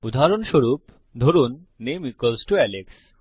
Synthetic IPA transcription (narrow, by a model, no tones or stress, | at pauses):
ud̪ʱaaɾonʃoɾup | d̪ʱoɾunː | emikolsʈoɛleks